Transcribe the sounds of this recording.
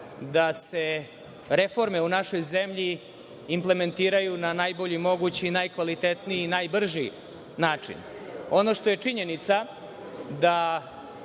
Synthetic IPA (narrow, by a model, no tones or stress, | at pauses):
d̪ase | ɾefo̞ɾme̞unaʃo̞jzemʎiː | mple̞me̞nt̪iːɾajunanajbo̞ʎimo̞ɡut͡ɕiːnajkʋalit̪et̪niiːnajbr̩ʒi | naːt͡ʂḭno̞no̞ʂt̪o̞je̞t͡ʂiɲe̞nit̪sa | d̪a